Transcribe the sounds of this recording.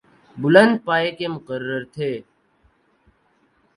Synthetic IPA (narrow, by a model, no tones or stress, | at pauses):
bʊlə̃nd̪̚paːekemʊqərːəɾt̪ʰeː